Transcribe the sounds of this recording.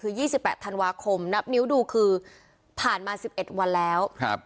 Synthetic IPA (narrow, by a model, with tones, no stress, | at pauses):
kɯː˧jiː˥˩si˨˩pːɛː˨˩t̪ʰa˧nwaː˧kʰo˧mna˦˥p̚ni˦˥wduː˧kʰɯː˧ | pʰaː˨˩nmaː˧si˨˩p̚ʔe˨˩t̪̚wa˧nlɛː˦˥wkʰa˦p̚